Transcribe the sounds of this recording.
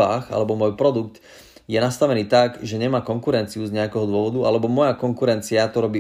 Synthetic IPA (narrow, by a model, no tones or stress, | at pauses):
aːxa̰lɛbɔmɔjpɾɔd̪uk̚t̪ | jɛnast̪aʋɛniːt̪aɡʒɛɲɛmaːkɔŋkuɾɛnt͡siuzɲɛakɛɦɔd̪ʊɔʋɔd̪uʔa̰lɛbɔmɔjakɔŋkuɾɛnt͡siat̪ɔɾɔbiː